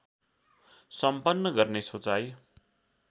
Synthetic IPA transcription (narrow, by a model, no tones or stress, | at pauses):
sʌmpʌnːʌɡʌrnesʰot͡saj